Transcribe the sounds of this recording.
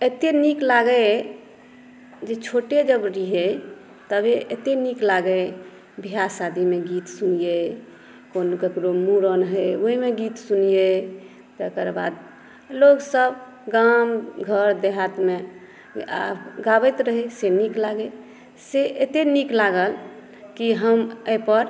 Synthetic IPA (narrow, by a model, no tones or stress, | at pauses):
et̪eniklaɡə | d͡ʒet͡ʃʰoʈed͡ʒəbɾiɦe | t̪əbeet̪eniklaɡə | bʱiɦasad̪ʱimeɡit̪sunije | konɡəkɾomuɾənɦəoɦimeɡit̪sunije | d͡ʒəkəɾba̰d̪ | loɡsəb | ɡamɡʱəɾd̪eɦat̪me | a̰ɡabəjt̪ɾəɦeseniklaɡe | seet̪eniklaɡəl | kiɦəməjpəɾ